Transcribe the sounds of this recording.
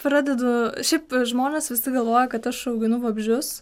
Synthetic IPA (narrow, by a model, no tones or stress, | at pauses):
pɾɑːd̪ʲɛd̪ʊʃʲɛɪpʒmoːnʲeːsʋʲɪsʲɪɡɐlˠʋoːjɛkɐt̪ɐʃɐʊɡʲɪnʊʋɐbʲʒʲʊs